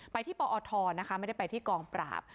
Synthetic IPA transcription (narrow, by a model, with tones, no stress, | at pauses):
pa˧jt̪ʰiː˥˩pɔː˧ʔɔː˧t̪ʰɔː˧na˦˥kʰa˦˥ma˥˩da˥˩pa˧jt̪ʰiː˥˩kɔː˧ŋpɾa̰ː˨˩p̚